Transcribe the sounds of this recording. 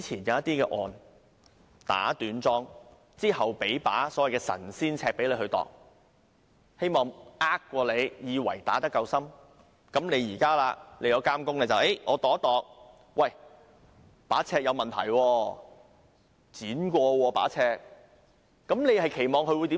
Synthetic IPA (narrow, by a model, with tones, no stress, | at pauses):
i˨˥t͡sʰiː˨˩njɐ˨˧wjɐ˥t̪iː˥kɛː˧ʔɔː˨n | t̪a̰ː˨˥t̪yː˨˥nt͡sɔː˥ŋ | t͡siː˥hɐ˨˩wpe˨˥jpa̰ː˨˥sɔː˨˥wɐ˨jkɛː˧sɐ̰˨˩nsiː˥nt͡sʰɛː˧k̚pe˨˥jle˨˧jhɵ˧t̪ɔ̰ː˨k̚ | he˥jmɔː˨˩ŋʔaː˥kːʷɔː˧le˨˧jjiː˨˧wɐ̰˨˩jt̪a̰ː˨˥t̪ɐ˥kːɐ˧wsɐ˥m | kɐ˨˥mne˨˧jjiː˨˩kaː˥laː˧le˨˧jɐ˧wkaː˥mkʊ˥ŋlɛ˧t͡sɐ˨we˥jŋɔː˨˧t̪ɔː˨˥t̪ɔː˨k̚ | wɐ˨j | paː˨˥t͡sʰɛː˧k̚jɐ˧wmɐ˨nt̪ʰɐ̰˨˩jwɔː˧ | t͡siː˨˥nkʷɔː˧wɔː˧pa̰ː˨˥t͡sʰɛː˧k̚ː | ɐ˨˥mne˨˧jhɐ˨jkʰe˨˩jmɔː˨ŋkʰɵ˧wu˧jt̪i˨˦˥